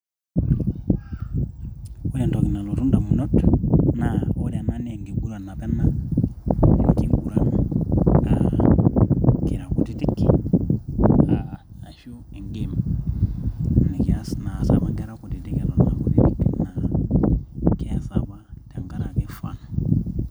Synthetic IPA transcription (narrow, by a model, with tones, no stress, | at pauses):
u˦jɛ˨ndɔ˨ki˨na˨lu˨ɾu˦nda˨mu˨nɔ˦tnaɔ˦ɾana˦ni˦ɛ˨ŋɡi˨ɡu˦ɾa˨na˨pɛ˦na | ḭ˨na˨ki˨bu˨ɾa˦naɡa̰ | ki˨ɾa˨ku˨ti˦ti˦kːi | a | a˨ʃu˦i˨ŋɡima | ni˨kasna˨sa̰βaŋɡɛ˦ɾakuti˨ti˨kɛ˨lɔ˨na̰˨ku˨ti˦ti˦kina | kɛ˦saβa˦ta˨ŋɡa˦ɾa˨kɛ˦fa̰na˨